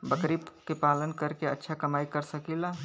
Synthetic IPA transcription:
bəkɾibkepaːlənkəɾkeətːʃʰakəmaːikəɾsəkila

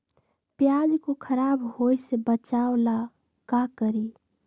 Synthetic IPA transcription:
pjad͡ʒkokʰəɾaːbɦoisebət͡ʃaola | kakəɾi

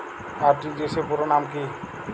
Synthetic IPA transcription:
aɾʈid͡ʒesepuɾonamki

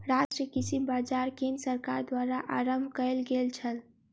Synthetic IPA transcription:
ɾasʈɾijəkisibbad͡ʒaɾkemsəɾkaɾd̪waɾaʔaɾəmbʱkəjlɡelt͡ʃʰəl

